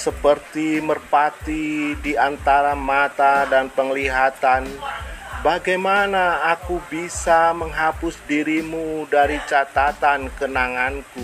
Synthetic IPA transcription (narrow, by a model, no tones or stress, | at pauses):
səpərt̪imərpat̪idiant̪aɾamat̪adanpəŋliɦat̪an | baɡajmanaːkubisaməŋɦapʊsdiɾimudaɾit͡ʃat̪at̪ankənaŋanku